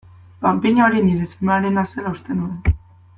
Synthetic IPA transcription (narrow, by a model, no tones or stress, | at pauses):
pampiɲaoɾiniɾesumeaɾenaselaust̪enuen